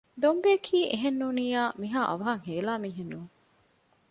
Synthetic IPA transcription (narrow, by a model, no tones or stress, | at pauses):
d̪ombeːkʰiːʔeɦenːuːniːjaːmiɦaːʔɐ̰ʋɐɦɐŋɦeːlaːmiːɦenːuːŋ